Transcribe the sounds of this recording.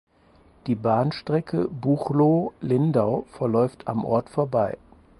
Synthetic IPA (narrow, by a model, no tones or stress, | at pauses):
d̥iːbaːnʃtʁ̥ɛkʰə̰buχlolɪndaʊfɛɐlɔʏftʰa̰mʔɔ̰ɐtfoːɐbaɪ